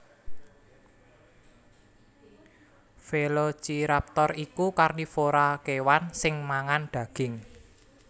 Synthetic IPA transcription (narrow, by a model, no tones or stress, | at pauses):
felot͡ʃiɾap̚t̪ɔrikukarnifoɾakewansɪŋmaŋanɖ̪̥ä̤ɡ̥ɪ̤ŋ